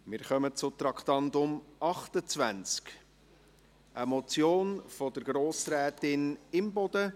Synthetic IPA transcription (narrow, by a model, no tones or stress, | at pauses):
mɪɾχœmət͡sʊt̪ɾɑkχtɑndʊmɑχt̪ət͡svænt͡sk | ʔəmɔt͡sjoːnfɔd̪əɾɡɾoːsɾɛːt̪ɪnɪmbɔd̥̪ə